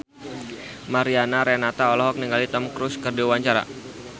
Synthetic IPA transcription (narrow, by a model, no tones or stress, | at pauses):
maɾianaɾɛnat̪aɔlɔɦɔk̚niŋɡalit̪ɔmkɾʊskərdiwaɲt͡ʃaɾa̰